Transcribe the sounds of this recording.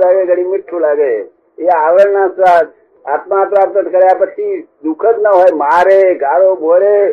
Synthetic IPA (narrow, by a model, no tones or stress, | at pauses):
laɡeɡəɽimɪʈʰːulaɡe | eaʋəɭnasat | at̪maːt̪mat̪ət̪kəɾjapət͡ʃʰid̪ukʰət̪nəɦojmaɾeɡaɽobʱoɾe